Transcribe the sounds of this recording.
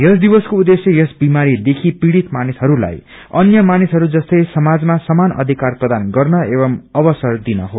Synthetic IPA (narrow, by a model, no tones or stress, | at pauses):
jʌsd̪ibʌskoud̪esjʌjʌsbimaɾid̪ekʰipiɽit̪manisɦʌɾula̰j | ʌnjʌmanisɦʌɾud͡zʌst̪ʌjsʌmad͡zmasʌmanʌ̰d̪ʱikarprʌd̪anɡʌrnʌebʌmʌbʌsʌrd̪inʌɦo